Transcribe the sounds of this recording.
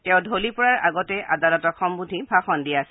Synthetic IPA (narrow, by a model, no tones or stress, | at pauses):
tɛʊ̃dʱolipɔɹaɹa̰ɡɔtɛʔa̰dalɔtɔxɔmbudʱibʱaxɔndiaasɛ